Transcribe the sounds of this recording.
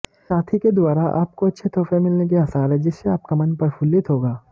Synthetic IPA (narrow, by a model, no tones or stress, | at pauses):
saːt̪ʰiked̪waːɾaʔa̰ːp̚koɐtːʃʰet̪ʰɔːfẽmɪlnek̬eɐsaːlɦɛd͡ʒɪsːeaːp̚kamɐnpɐɾpʰʊlːɪt̪ɦoːɡaː